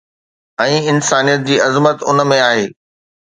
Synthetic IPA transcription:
ɛ̃ːɪnsaːnijət̪̚d͡ʑiːɐzmət̪ʊnəmẽaːɦeː

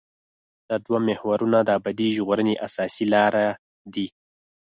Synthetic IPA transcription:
d̪̥əd̪wamɪhwaɾunad̪əabad̪iʒɣoɾəneʔasɑsilɑɾa | d̪i

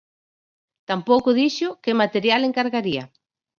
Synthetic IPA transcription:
t̪ampowkʊðiʃʊkɪmat̪eɾjaleŋkaɾɣaɾiɐ̰

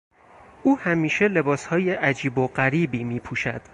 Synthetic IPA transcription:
ʔuːhæmiːʃe̞le̞bɒːshɒːje̞ʔæd͡ʒiːboɢæɾiːbiːmiːpʰuːʃæ̰d̪̥

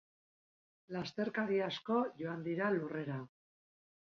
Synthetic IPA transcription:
last̪e̞ɾkaɾiasko̞ʝo̞and̪iɾalure̞ɾa

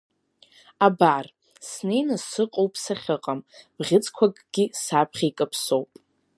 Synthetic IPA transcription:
abar | snejnɨsɨqʼowpʼsaχʲɨqʼamb̥ʁʲɪt͡sʰʼkʷʰakʼɡ̥ʲɪsapʰχʲekʼɨpʰso̞wpʼ

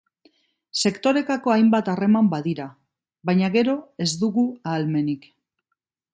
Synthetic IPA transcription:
se̞kt̪o̞ɾe̞t̪ako̞ajmbat̪are̞mambaðiɾa | βajɲaɣe̞ɾo̞e̞zd̪uɣuaːlme̞nik

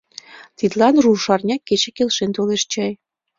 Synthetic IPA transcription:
t̪id̪lɑnruʃɑrnʲɑkːet͡ɕĕkelʃent̪oleʃt͡ɕɑj

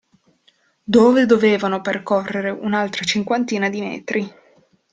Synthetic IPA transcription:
d̪oːved̪oveːvanoperkorːeɾeʔunalt̪ɾat͡ʃiŋkwant̪iːnad̪imɛ̰ːt̪ɾi

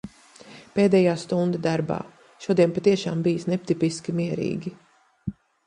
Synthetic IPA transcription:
peːd̪ɛjaːst̪und̪ad̪aɾba̰ː | ʃuɔd̪iɛnpat̪iɛʃaːmbijsnɛp̚t̪ipiskʲimiɛɾḭːɡʲi

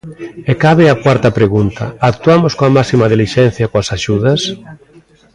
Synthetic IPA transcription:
ekaβeakwaɾt̪ɐpɾeɣunt̪ɐ̰ak̚t̪uamoskoamaksimað̞iliʃɛn̟θjakoasaʃuðɐs

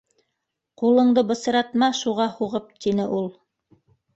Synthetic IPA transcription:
qulˠɤ̆ɴd̪ɤbɤ̆sɤ̆ɾɑt̪mɑʃuʁɑhuʁɤp̚t̪inɘʔulˠ

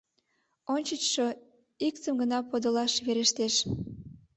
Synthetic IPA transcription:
onʲt͡ɕət͡ɕʃo | ikt̪ə̆mɡə̆nɑpod̪ə̆lɑʃβeɾeʃt̪eʃ

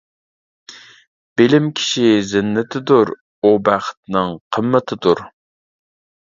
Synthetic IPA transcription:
b̥ɪlɪmkʲʰi̥ʃizɪnːɪt̪ʰɪd̪uɾ | ubæχə̥t̪̚nɨŋqʰəmːət̪ʰɪd̪uɾ

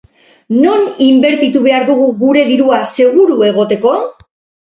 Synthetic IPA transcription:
no̞nimbe̞ɾt̪it̪uβe̞aɾðuɣuɣuɾe̞ðiɾuase̞ɣ̞uɾue̞ɣ̞o̞t̪e̞ko̞

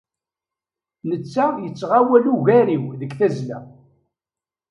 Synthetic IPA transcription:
nət͡sːajət͡sːʁawæluʝæɾiwðəkθæzlæ̰

